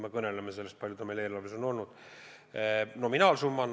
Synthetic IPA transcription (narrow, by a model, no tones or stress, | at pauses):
mekɤne̞lemese̞lːest̪pɑlʲjut̪ɑmeleːlɑveso̞no̞lnud̪̥ | no̞minɑːlsumːɑn